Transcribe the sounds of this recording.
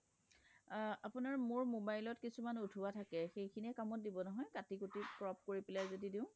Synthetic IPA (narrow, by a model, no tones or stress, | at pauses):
apʊnaɹmʊɹmobajlɔtkisumanutʰuatʰakɛxejkʰiniɛkamɔt̚dibɔnɔɦɔjkatikutikɹɔp̚ʰkoɹipɛlajzodidĩʊ̃